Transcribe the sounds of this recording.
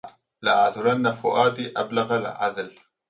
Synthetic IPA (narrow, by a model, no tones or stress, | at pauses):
laʔaʕðʊɾˤanːafʊʔaːd̪iʔablaɣalʕa̰d̪l